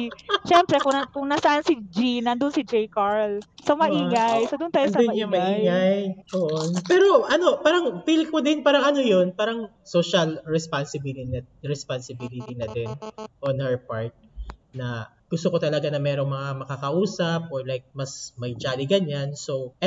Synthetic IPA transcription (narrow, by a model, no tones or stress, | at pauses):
ʃɛmpɾɛkʊkʊŋnasɐʔansid͡ʒinɐnd̪ʊnsɪd͡ʒejkaɹlsɐmɐʔiːŋajsod̪ʊnt̪aːjosɐd̪ʊnjʊŋmɐʔiŋajoʔonpɛːɾo̞ʔɐno̞paːɾɐŋfilkod̪ɪnpaːɾɐŋʔɐno̞jonpaːɾɐŋ | soʃɐlɹɛspansɪbiln | ɹɛspansɪbilɪt̪inɐd̪ɪnʔonhɛɹpaɹt̪̚nɐ | ɡ̥ʊst̪okot̪ɐlɐɡanɐmɛːɾo̞ŋmɐŋamɐkakɐʔuːsɐp̚ʔoɹlajk̚mɐsmɐjd͡ʒaːliɡɐɲansoʔɛ